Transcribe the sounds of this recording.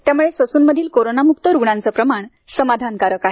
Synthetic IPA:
t̪jamuɭesəsuːnməd̪ʱiːlkoɾonamuk̚t̪əɾuɡɳãnt͡səpɾəmaɳ | səmad̪ʱankaɾəkaɦe

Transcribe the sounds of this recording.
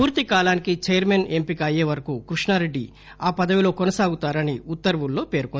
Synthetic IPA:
puːɾt̪ikaːlaːnikit͡ʃɛjɐɾmenempikɐjeːʋɐɾɐkuːkɾuʂɳaːɾe̞ɖːi | aːpɐd̪ɐʋilo̞ːkonɐsaːɡut̪aːɾɐniut̪ːɐɾʋulːo̞ːpeːɾkon

